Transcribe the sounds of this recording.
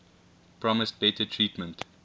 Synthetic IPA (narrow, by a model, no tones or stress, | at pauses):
pʰɹɔməst̚b̥ɛtʰətʰɹiːtmə̃nt